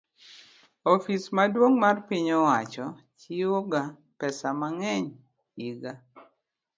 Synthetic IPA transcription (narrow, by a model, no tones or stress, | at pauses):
ɔfismadwoŋmarpiɲɔwat͡ʃɔ | t͡ʃioɡa | pɛsamaŋɛɲ | iɡa